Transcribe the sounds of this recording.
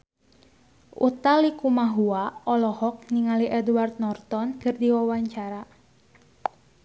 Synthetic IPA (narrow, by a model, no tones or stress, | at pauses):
ʔut̪alikumaɦuaɔlɔhɔk̚niŋaliʔɛduwart̪̚nɔrt̪ɔnkɨrdiwawaɲt͡ʃaɾa